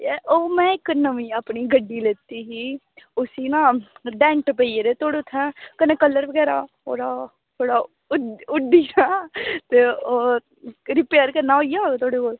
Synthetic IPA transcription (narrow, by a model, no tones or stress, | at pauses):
ʔoːmɛ̃ːɪknəʋĩːaːpniːɡəɖːiːleːt̪iːɦiː | ʊsiːnãːɖɛ̃ːɳʈpəiːeːɾeːt̪oːɽeʊt̪ʰːɛ̃ːkəneːkəlːəɾʋəɡɛːɾaː | o̰ːɾaː | t̪ʰoːɽaː | ʊɖiːaːt̪eːoː | ɾɪpeːɾkəɾnaːoːiːjaːoːɡeːt̪ʰoːɽeːkoːl